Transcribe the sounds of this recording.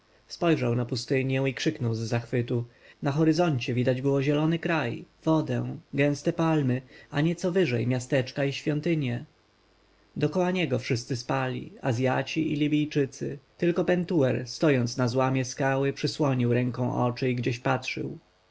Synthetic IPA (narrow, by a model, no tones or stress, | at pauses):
spɔjʐawnapust̪ɘɲjɛ̃ikʂɘknɔwzːaxfɘt̪u | naxɔɾɘzɔɲt͡ɕɛvʲid̪ad͡ʑbɘwɔʑɛlɔnɘkɾajv̥ɔd̪ɛw̃ɡɛ̃st̪ɛpalmɘaɲɛt̪sɔvɘʐɛjmʲjast̪ɛt͡ʂkaiɕfʲjɔnt̪ɘɲjɛ | d̪ɔkɔwaɲɛɡɔfʂɘst̪sɘspalʲḭazʲjat͡ɕiilʲibʲijt͡ʂɘt̪sɘt̪ɘlkɔpɛnt̪uwɛɾst̪ɔjɔnt̪snazwamʲjɛskawɘpʂɘswɔɲiwɾɛŋkɔ̃w̃ʔɔ̰t͡ʂɘiɡd͡ʑeɕpatʂɘ̰w